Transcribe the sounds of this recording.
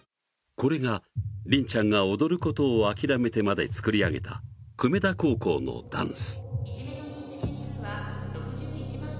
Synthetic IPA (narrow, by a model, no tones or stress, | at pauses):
ko̞ɾe̞ɡaɾʲĩɲ̟t͡ɕãŋɡao̞d̪o̞ɾɯ̟ko̞t̪o̞ːakʲiɾame̞t̪e̞mad̪e̞t͡sɨ̥kɯ̟ɾʲiaɡe̞t̪ʰa̰kɯ̟me̞d̪ako̞ːko̞̰ːno̞̰d̪ã̰ɰ̃sɨ̥ | okː